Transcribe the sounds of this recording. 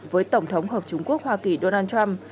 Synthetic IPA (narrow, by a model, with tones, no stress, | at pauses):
vəː˨˦jt̪ə˧˩wŋ͡mt̪ʰə˨˦wŋ͡mɦəː˨˩p̚t͡ɕʊ˧ŋ͡mku˦˥ək̚hwaː˧ki˨˩ɗo˧naː˧nt͡ɕa˧m